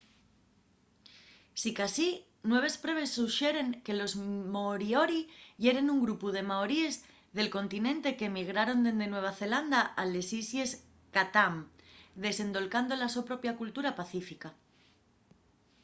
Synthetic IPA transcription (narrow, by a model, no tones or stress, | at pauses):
sikasi | nwe̞β̞e̞spɾe̞β̞e̞sːuʃe̞ɾe̞ŋke̞lo̞zmoɾio̞ɾiʝe̞ɾe̞nuŋɡɾupuð̞e̞maoɾie̞z | ðe̞lko̞nt̪inẽ̞nt̪e̞kemiɣ̞ɾaɾo̞nd̪e̞nd̪e̞nwe̞β̞aθe̞land̪aale̞sisje̞s | kat̪amd̪e̞se̞nd̪o̞lkand̪o̞lasopɾo̞pjakult̪uɾapaθifika